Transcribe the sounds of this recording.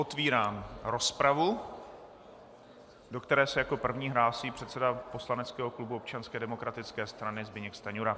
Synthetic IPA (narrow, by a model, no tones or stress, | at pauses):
ʔo̞t̪viːɾaːmɾo̞spɾavu | do̞kt̪ɛɾɛːsɛjako̞pr̩vɲiːɦɾaːsiːpr̥ɛt̪t͡sɛdapo̞slanɛt͡skɛːɦoklubuop̚t͡ʃanskɛːdɛmo̞kɾat̪ɪt͡skɛːst̪ɾanɪzbɪɲɛkst̪aɲuɾa